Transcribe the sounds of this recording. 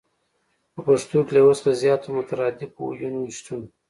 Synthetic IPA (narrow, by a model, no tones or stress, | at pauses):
pəpaʂt̪uklewosqazjɑːt̪omʊt̪aɾɑd̪ɪb̚ṵjunːiʃt̪un